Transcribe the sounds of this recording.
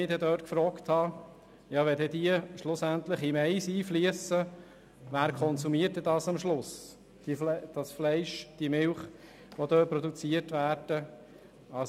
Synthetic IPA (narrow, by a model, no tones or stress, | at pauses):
ɪdɛd̪øːtkfɾɔːkt̪hɑ | jɑːʋɛdɛd̪iəʃlʊsænt̪ləχimɛɪsiːfliəsə | ʋæːɾkʰɔnsumiəɾt̚ɛdɑːsɑmʃlʊs | d̥ifd̥ɑsflɛɪʃd̥iəmɪlχ | ʋod̪øːpɾɔd̪ut͡siətvæːɾd̥ə | ɑs